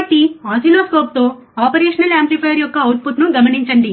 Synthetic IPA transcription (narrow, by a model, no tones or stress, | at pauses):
ɐʈːiaːsiloːskoːp̚t̪o̞ː | aːpɐɾeːʂɐnɐlaːmplipʰɐjɐɾjɔkːɐːwʈ̚put̪nuɡɐmɐniɲt͡ʃɐɳɖi